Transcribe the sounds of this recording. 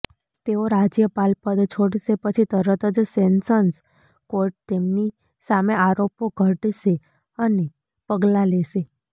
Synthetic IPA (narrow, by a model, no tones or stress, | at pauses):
t̪eoɾad͡ʒjəpalpəd̪t͡ʃʰoɽʃepət͡ʃʰit̪əɾət̪əd͡ʒsensəns | koɾʈ̚t̪emni | sameaɾopoɡʱəʈʃe | əne | pəɡlaleʃe